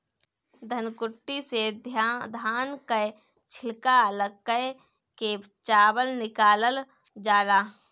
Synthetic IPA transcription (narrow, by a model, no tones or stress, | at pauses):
d̪ʱənkʊʈːised̪ʱjad̪ʱaːnkəj | t͡ʃʰɪlkaləɡkəj | ke | t͡ʃaːbəlnɪkaːləl | d͡ʒaːlaː